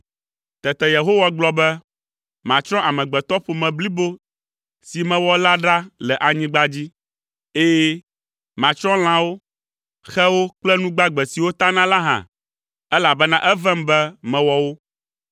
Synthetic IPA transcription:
t̪ɛ˨t̪ɛ˨je˨ɦo˦wa˦ɡ͡blɔ˦bɛ˦ | mã̰˨t͡ʃɾ̃ɔ̃˦ʔa˨mɛ̃˨ɡ͡bɛ˨t̪ɔ˦ɸo˨mɛ̃˨bli˦bo˦ | si˨mɛ̃˨wɔ˦la˦ɖa˦lɛ˨ʔa˨ɲĩ˦ɡ͡ba˦d͡ʑi˦ | e˦jɛ˦ | mã˨t͡ʃɾɔ̃˦l̃ã˦wo˦ | xɛ˦wo˦k͡plɛ˦nũ˦ɡ͡ba˦ɡ͡bɛ˨si˨wo˦t̪a˦nã˦la˦ɦã̰˨ | ɛ˦la˨bɛ˦nã˦ʔɛ˦vɛ˦mbɛ˦mɛ̃˨wɔ˦wo˦

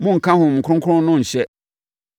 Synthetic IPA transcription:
mʊ̃˦ŋ̩˨kʰã˦hʊ̃˨m̩˨kʰʊ˦ʊ̃˦ŋkʰʊ̃˦n˦nʊ̃˦ɲ̩˨ɕɛ˦

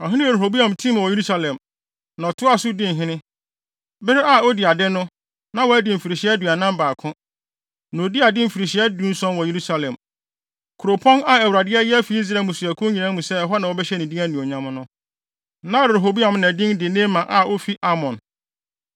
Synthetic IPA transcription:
ɔ˨ɦɪ̃˦nɪ̃˦˨ɾe˨ɦo˨bi˦ã˨m˨tʰĩ˦m˨wɔ˨e˨ɾu˦sa˦lɛ̃˨m | nã˨ɔ˨tʰʊ˦a˦sʊ˦dɪ̃˦n̩˨ɦɪ̃˦nɪ̃˦ | bɪ˦ɾɪ˦a˦o˦dɪ˨a˨dɪ˦nʊ̃˦ | nã˨wɔ˨æ˦dɪ˨m̩˨fi˨ɾi˨ɕɪ˦ɛ˦du˨a˨nã˦m˦baː˨kʰʊ̃˦ | nã˨o˨di˦a˨dɪ˦m̩˨fi˨ɾi˨ɕi˨˦ɛ˦dũ˦n̩˦sɔ̃˦nwɔ˨je˨ɾu˦sa˦lɛ̃˨m | kʰʊ˨ɾo˨pʰɔ̃˦na˨ɛ˨wu˨ɾa˨dɪ˦ɛ˦jɛ˦fi˨˦i˦s̬ɾa˨mũ˨su˨æ˨kʰʊ̃˦ɲĩ˨nã˦mũ˨sɛ˦˨ɦɔ˦nã˨wɔ˦bɛ˦ɕɛ˦nɪ̃˨dĩ˦æ˦nĩ˨o˨ɲã˦m˦nʊ̃˦ | nã˦ɾɾe˨ɦo˨bi˦ã˨mnɛ̃˨dɪ̃˦ndɪ˨nẽː˦mːã˨ʔa˨ʔo˦fi˦ʔa˦mɔ̃˨n

